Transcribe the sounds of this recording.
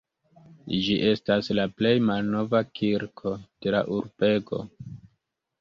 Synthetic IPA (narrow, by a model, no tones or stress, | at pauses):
d͡ʒiʔe̞staslaple̞jmalno̞vakʰiɾkʰo̞d̥e̞la̰ʔuɾbe̞ɡo̞̰